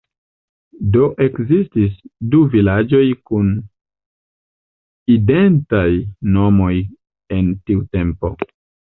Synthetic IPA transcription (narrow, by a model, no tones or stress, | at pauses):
do̞ʔe̞kzistis̬duvilad͡ʒo̞jkun | ide̞ntajno̞mo̞j | e̞ntiute̞mpo̞̰